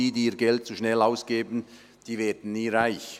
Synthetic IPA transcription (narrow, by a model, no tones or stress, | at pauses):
iːdiːɐɡɛlt̚t͡suʃnɛlaʊsɡ̥eːbn̩ | d̥iːvɛːɐdn̩niːʁaɪç